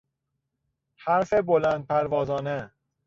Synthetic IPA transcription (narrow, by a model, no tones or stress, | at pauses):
hæɾfebolæːnd̪̚pʰæɾvɒːzɒːne